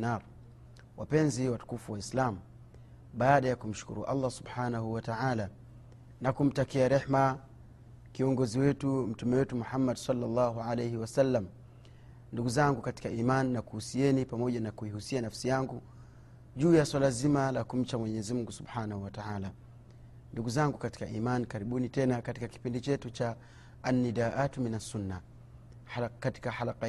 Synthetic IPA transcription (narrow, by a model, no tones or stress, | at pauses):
naɾ | wʔapɛnziwatu̥kufuwaislamu | ɓaːɗajakum̩ʃu̥kṵɾṵʔa̰lːasubħanahuwataʕala | nakum̩takiaɾɛħma | kiɔŋɡɔziwɛtum̩tumɛwɛtumuħamːadsɑlːalːɑɦuʕalejhiwasalːam | nduɡuzaŋɡukati̥kaʔimanːakuhusiɛnipamɔʄanakuihusianafsijaŋɡu | ʄuːjaswalazimalakum̩t͡ʃamwɛɲɛɛzimuŋɡusubħaːnahuwataʕala | nduɡuzaŋɡukati̥kaʔimankaɾiɓunitɛnakatikaki̥pindit͡ʃɛtut͡ʃaː | nːidaːʔatuminasunːa | kati̥kaħalaqa